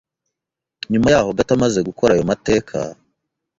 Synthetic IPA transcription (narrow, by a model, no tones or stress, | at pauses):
ɲumajaːho̞ɡatamaze̞ɡuko̞ɾajomate̞ːkʰa̰